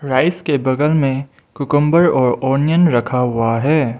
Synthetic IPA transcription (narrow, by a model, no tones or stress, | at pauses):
ɾaːɪskebɐɡəlmẽ | kʊkʊ̃mbəɾɔːɾɔːɾnjənɾɐkʰaɦʊaɦɛː